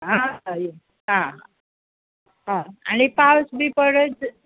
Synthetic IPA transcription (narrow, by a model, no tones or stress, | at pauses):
ɦãaje | ɦãɦã | ɦãanipawsbʱiːpəɽət͡s